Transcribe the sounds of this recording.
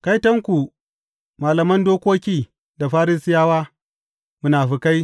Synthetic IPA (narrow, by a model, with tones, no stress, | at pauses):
ka˦jtɐ˦ŋkʷu˨ | maː˨lɐ˨mɐ˦ndoː˦kʷoː˦kʲiː˦ | da˨ɸaː˦ɾɪ˦sɪ˦jaː˦waː˦ | mʊ˦naː˨ɸi˦ka˦j